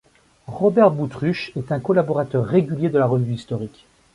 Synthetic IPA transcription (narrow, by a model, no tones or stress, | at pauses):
ʁɔbɛʁbut̪χyʃɛt̪ɛ̃kɔlabɔʁat̪œʁːeɡʲyljed̪əlaʁəvyist̪ɔʁik